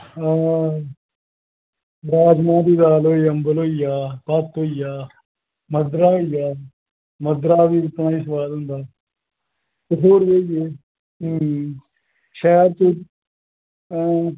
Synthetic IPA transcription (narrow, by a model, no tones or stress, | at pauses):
a | ɾaːd͡ʒmãːd̪iːd̪aːloːiːəmbəloːijaːpat̪oːijaː | məd̪ɾaːɦoːijaː | məd̪ɾaːʋiːɪt̪ɳaːiːs̬ʋaːlɦʊ̃nd̪aː | t̪eɦoːɾeːijeː | ʃɛːɾt̪o